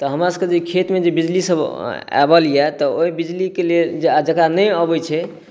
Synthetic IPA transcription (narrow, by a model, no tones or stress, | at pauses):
t̪ɔɦəmɾasəked͡ʒeikʰet̪med͡ʒebid͡ʒlisəba̰bəlijɛt̪ɔoɦibid͡ʒlikeled͡ʒd͡ʒəkɾanəjəbəjt͡ʃʰɛ